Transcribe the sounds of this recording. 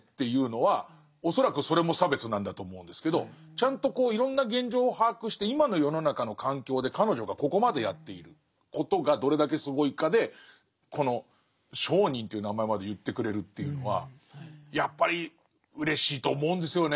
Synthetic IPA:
t̪ːe̞jɯ̟ːno̞βa | o̞so̞ɾakɯ̟so̞ɾe̞mo̞sabe̞t͡sɨnãnd̪at̪o̞ːmo̞ɯ̃nd̪e̞sɨ̥ke̞d̪o̞t͡ɕãnt̪o̞ko̞ːiɾõ̞nːaɡẽ̞ɲ̟d͡ʑo̞ːhaːkɯ̟ɕi̥t̪e̞imano̞jo̞no̞nakano̞kãŋkʲo̞ːd̪e̞kano̞ʑo̞ɡako̞ko̞mad̪e̞jat̪ːe̞iɾɯ̟ | ko̞t̪o̞ɡad̪o̞ɾe̞d̪ak̬e̞sɨɡo̞ikad̪e̞ | kʰo̞no̞ | ɕo̞ːɲ̟ĩnt̪e̞iɯ̟namaemad̪e̞jɯ̟t̪ːe̞kɯ̟ɾe̞ɾɯ̟t̪ːe̞jɯ̟no̞βa̰ | japːaɾʲi | ɯ̟ɾe̞ɕiːt̪o̞ːmo̞ɯ̃nd̪e̞sɨjo̞ne

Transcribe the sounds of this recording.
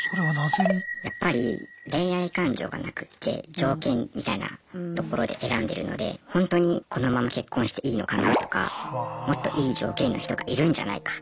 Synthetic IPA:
soɾeβanazeɲijapːaɾʲḭɾẽ̞ɰ̃aikãɲ̟d͡ʑo̞̰ːɡa̰nakɯ̟̥t̪ʰːe̞̰d͡ʑo̞ːkẽ̞mmʲit̪aina̰t̪oko̞ɾo̞d̪e̞ʔe̞ɾãnd̪e̞ɾɯ̟no̞̰d̪e̞̰hõ̞nt̪o̞ɲ̟ikʰo̞no̞mamake̞kːõ̞ɰ̃ɕi̥t̪e̞ʔiːno̞kanat̪o̞̥ka̰mo̞t̪ːo̞ʔiːd͡ʑo̞ːkẽ̞nːo̞çi̥t̪o̞ɡaʔiɾɯ̟̃ɲ̟d͡ʑa̰na̰ikḁ

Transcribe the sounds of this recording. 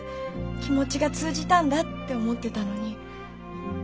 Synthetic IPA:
kʲimo̞t͡ɕiɡat͡sɨːʑit̪ãnd̪at̪ːe̞o̞mo̞t̪ːe̞t̪ano̞ɲ̟i

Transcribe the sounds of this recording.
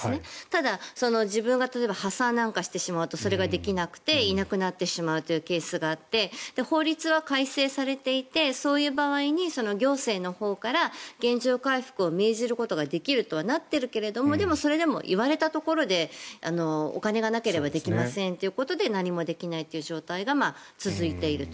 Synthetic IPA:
net̪ad̪aso̞no̞ʑibɯ̟̃ŋɡat̪at̪oebahasãnnãŋkaɕi̥t̪e̞ɕimaɯ̟t̪o̞so̞ɾe̞ɡad̪e̞kʲinakɯ̟̥t̪e̞inakɯ̟nat̪ːe̞ɕimaɯ̟t̪o̞jɯ̟ːke̞ːsɨɡaːt̪ːe̞d̪̥eho̞ːɾʲit͡sɨβakaise̞ːsaɾe̞t̪e̞it̪e̞so̞ːjɯ̟ːbaβaiɲ̟iso̞no̞ɡʲo̞ːse̞ːno̞ho̞ːkaɾaɡ̥ẽ̞ɲ̟d͡ʑoːkaiɸɯ̟̥kɯ̟o̞me̞ːʑiɾɯ̟ko̞t̪o̞ɡad̪e̞kʲiɾɯ̟t̪o̞βanat̪ːe̞ɾɯ̟ke̞ɾe̞d̪o̞mo̞d̪e̞mo̞so̞ɾe̞d̪e̞mo̞̰ʔḭβaɾe̞t̪at̪o̞ko̞ɾo̞d̪e̞ano̞o̰kane̞ɡanake̞ɾe̞bad̪e̞kʲimasẽ̞nt̪e̞iɯ̟ko̞t̪o̞d̪e̞naɲ̟imo̞d̪e̞kʲinait̪eiɯ̟ʑo̞ːt̪aiɡamat͡sɨzɨit̪e̞iɾɯ̟t̪o

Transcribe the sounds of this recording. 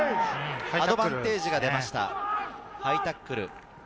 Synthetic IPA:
ad̪o̞bãnt̪e̞ːʑiɡad̪e̞maɕi̥t̪a̰ | hait̪akːɯ̟ɾɯ̟̰

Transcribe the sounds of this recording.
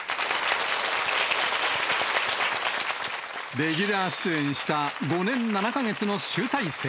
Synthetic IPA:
d̪e̞ɡʲiɾaːɕi̥t͡sɨẽ̞ɰ̃ɕi̥t̪aɡo̞nẽ̞nnanakaɡe̞t͡sɨno̞ɕɨːt̪aise

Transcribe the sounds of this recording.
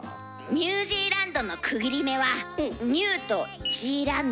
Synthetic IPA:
ɲ̟ʲɨːʑiːɾãnd̪o̞no̞kʰɯ̟ɡʲiɾʲime̞βaɲ̟ɨːt̪o̞ʑiːɾãn

